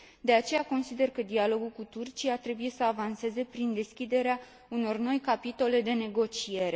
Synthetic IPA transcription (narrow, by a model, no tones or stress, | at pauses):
d̪e̞at͡ʃe̞jako̞nsid̪e̞rkəd̪ialo̞ɡulkut̪urt͡ʃiat̪ɾe̞bujesəavanse̞ze̞pɾind̪e̞skʲid̪e̞ɾea | uno̞rno̞jkapit̪o̞le̞d̪e̞ne̞ɡo̞t͡ʃije̞ɾe̞